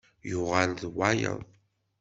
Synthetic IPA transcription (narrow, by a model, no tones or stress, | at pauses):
jʊʁalðwajə̰ðˤ